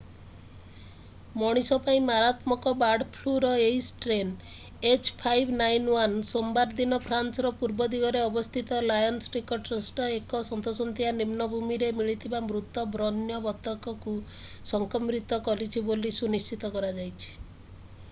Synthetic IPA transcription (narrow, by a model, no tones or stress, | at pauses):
mɔɽ̃isɔpaĩmaɾat̪mɔkɔbaɽpʰluɾɔeisʈɾen | et͡ʃpʰajbʱnajnwansombaɾd̪inɔpʰɾansɔɾɔpuɾbɔd̪iɡɔɾeɔbɔst̪ʰit̪ɔlajɔnsʈikɔʈɾɔsʈɔekɔsɔnt̪osɔnt̪ianimnɔbʱumiɾemiɭit̪ʰibamɾut̪ɔbɾɔnjɔbɔt̪ɔkɔku | sɔŋkɔmɾit̪ɔkɔlit͡ʃʰibolisunist͡ʃit̪ɔkɔɾad͡ʒajt͡ʃʰi̥